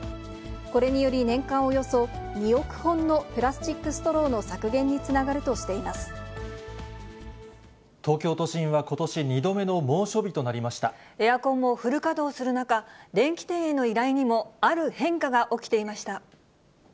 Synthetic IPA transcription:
ko̞ɾe̞ɲ̟ijo̞ɾʲinẽ̞ŋkãɰ̃o̞jo̞so̞ɲʲio̞kɯ̟̥hõ̞nːo̞pɯ̟ɾasɨ̥t͡ɕikːɯ̟sɨ̥t̪o̞ɾo̞ːno̞sakɯ̟ɡẽ̞ɲ̟ːit͡sɨnaɡaɾɯ̟t̪o̞ɕi̥t̪e̞imasɨ̥ | t̪o̞ːkʲo̞ːt̪o̞ɕĩɰ̃βako̞t̪o̞ɕiɲid̪o̞me̞no̞mo̞ːɕo̞bʲit̪o̞naɾʲimaɕi̥t̪a̰ | e̞jakõ̞mːo̞ɸɯ̟ɾɯ̟kad̪o̞ːsɨɾɯ̟nakaɾẽ̞ŋkʲi̥t̪e̞ːeno̞iɾaiɲ̟imo̞aɾɯ̟hẽ̞ŋkaɡaʔo̞kʲi̥t̪e̞imaɕi̥t̪a

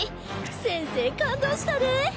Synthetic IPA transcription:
sezekand̪oʃlaɾɯ

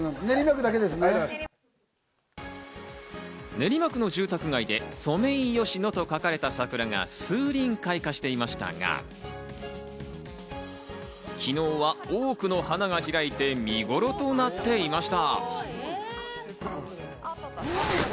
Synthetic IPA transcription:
neɾʲimakɯ̟d̪aked̪esɨne | ne̞ɾʲimakɯ̟no̞ʑɨːt̪akɯ̟ɡaid̪e̞so̞me̞ĩjo̞ɕino̞t̪o̞kakaɾe̞t̪asakɯ̟ɾaŋa̰sɨːɾʲĩŋkaikaɕi̥t̪e̞imaɕi̥t̪a̰ŋa̰ | kʲino̞ːβaoːkɯ̟no̞hanaŋaçiɾait̪e̞mʲiɡo̞ɾo̞t̪o̞nat̪ːe̞imaɕi̥t̪a

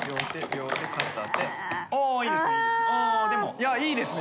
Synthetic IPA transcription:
bʲjoːt̪ebʲjoːt̪ekast̪at̪eoːiːd̪esnead̪e̞mo̞jaiːd̪e̞sɨn

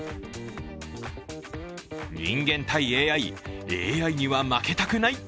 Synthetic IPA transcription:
ɲḭ̃ŋɡẽ̞nt̪aie̞ːaieːaiɲ̟iβamake̞t̪akɯ̟nai

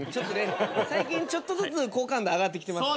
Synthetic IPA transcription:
t͡ɕo̞t̪ːonesaikʲĩɲ̟t͡ɕo̞t̪ːozɨt͡sɨko̞ːkãnd̪eaɡat̪ːekʲi̥t̪e̞mas

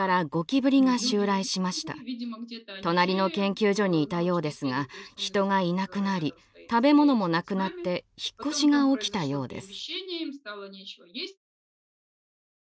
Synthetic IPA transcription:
aɾaɡo̞kʲibɯ̟ɾʲiŋaɕɨːɾaiɕimaɕi̥t̪a̰ | t̪o̞naɾʲino̞kẽ̞ŋkʲɨːʑo̞ɲ̟iːt̪ajo̞ːd̪e̞sɨɡaçi̥t̪o̞ŋainakɯ̟naɾʲi | t̪abe̞mo̞no̞mo̞nakɯ̟nat̪ːe̞çi̥kːo̞ɕiɡao̞kʲi̥t̪ajo̞ːd̪e̞̰sɨ̥

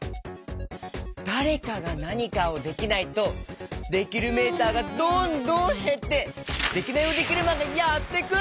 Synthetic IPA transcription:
d̪̥aɾe̞kaɡanaɲ̟ikao̞d̪e̞kʲinait̪o̞d̪e̞kʲiɾɯ̟me̞ːt̪aːɡad̪õnd̪õhe̞t̪ːe̞d̪e̞kʲinaiod̪e̞kʲiɾɯ̟mad̪ejat̪ːe̞kɯ

